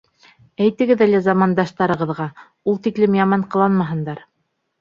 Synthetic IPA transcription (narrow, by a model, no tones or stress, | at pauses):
æjt̪ɘ̆ɡɘðælæzɑmɑnd̪ɑʃt̪ɑɾɤ̆ʁɤ̆ðʁɑ | ulˠt̪iklɘmjɑmɑɴqɤ̆lˠɑnmɑɦɤ̆nd̪ɑɾ